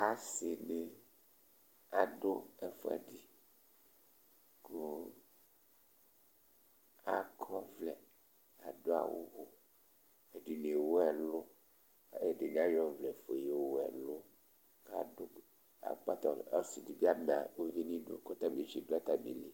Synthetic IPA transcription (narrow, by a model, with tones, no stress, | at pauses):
a˨se˨ne˨ | a˨ɖo˦ɛ˨fo̰˦a̰˨di˨ | ko˦ | a˨kʰɔ˦vlɛ˨ | a˨do˦a̰˨wo̰˦ɣo˨ | e˨di˨n˨e˨wo˦ɛ˨lo˦˨ | e˨ɖe˨ɲ˨˦a˦jɔ˦˨vlɛ˨fo˨je˦wwo˦ɛ̰˨lo˦ | ka̰˨do˦ | a̰˨k͡pa˦t̪ɔ˨a˦si˨di˨bi˦a˦mẽ˨a˨wo˦vi˦nĩ˦do̰˦kɔ˦t̪a˦mi˨d͡ʒi˦˨do˦a˦t̪a˦mḭ̃˨li˦